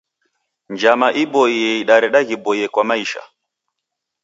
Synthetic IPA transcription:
nd͡ʒamaʔibɔiɛiɗaɾɛɗaɣibɔiɛkwamaiʃa̰

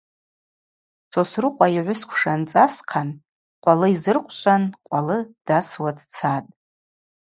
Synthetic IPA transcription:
t͡sʰosrɨqʷʼaiʕʷʊskʷʰʂant͡sʼasqʰan | qʷʼalɨizɨrqʷʰʼʃʷʼanqʷʼalɨd̥aswadt͡sʰatʼ

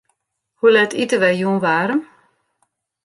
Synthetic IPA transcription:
hulɛtʰitəʋɛjuːnʋaːɾəm

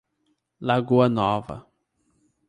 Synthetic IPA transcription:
laɡuɐnɔvɐ̰

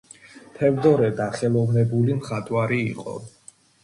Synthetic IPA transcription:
t̪ʰɛvd̪ɔɾɛd̪aχɛlˠɔvnɛbulimχat̪ʼwaɾiːqʼɔ̰

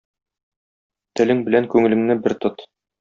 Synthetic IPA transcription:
t̪ɘ̆lɘŋbɘ̆læŋkʉŋɘ̆lɘ̆ŋnɘbɘɾt̪ɤt̪

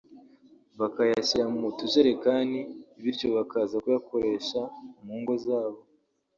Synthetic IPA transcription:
βakajasiɾamumutuʒeɾe̞kaːndiːβiɾco̞βakaːzakujako̞ɾe̞ʃaumuːŋɡo̞zaːβo̞

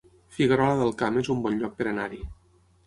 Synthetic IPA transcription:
fiɣəɾɔləðəlˠkamezumbɔnʎɔk̚pəɾənaɾi

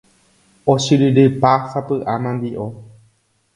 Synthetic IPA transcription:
oʃɨɾɨɾɨpafapɨʔamãnd̪iʔo

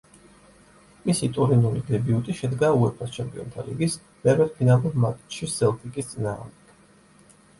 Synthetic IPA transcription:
misit̪ʼuɾinulid̪ɛbiut̪ʼiʃɛd̪ɡauɛpʰɾast͡ʃʰɛmpʼḭɔ̰nt̪ʰalḭɡis | bɛɾɛd̪̚pʰinalˠuɾmat̪ʼt̪ʃissɛlˠt̪ʼikʼist̪sʼina̰ːʁmd̪ɛɡ̥

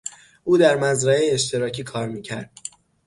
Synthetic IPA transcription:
ʔuːd̪æɾmæzɾæejeʃt̪ʰe̞ɾɒːcʰiːkʰɒːɾmiːcʰæɾd̪̥̚

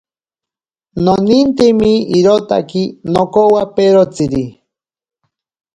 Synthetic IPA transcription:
nonint̪emiiɾot̪a̰kinokowapeɾot͡siɾi

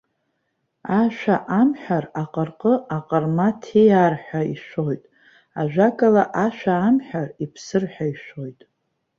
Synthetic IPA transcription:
aʃʷᶣaʔamħᶣaraqʼərqʼəaqʼərmatʰijarħᶣaḭʃʷo̞jtʼ | aʒᶣʷakʼalaʔaʃᶣaːmħᶣaripʰsɨrħʷᶣaiʃʷo̞jtʼ

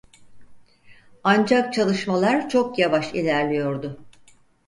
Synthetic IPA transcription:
and͡ʒak̚t͡ʃʰalˠɯʃmalˠaɾt͡ʃʰo̞kjavaʃilʲæɾlʲijo̞ɾd̪ʊ

